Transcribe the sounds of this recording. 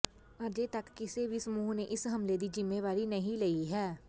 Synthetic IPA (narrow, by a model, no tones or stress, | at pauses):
ɐd͡ʒet̪ɐkːɪsebʱisəmuːɦneʔɪsɦɐmled̪id͡ʒɪmːeʋaːɾinɐɦĩlɐiɦɛː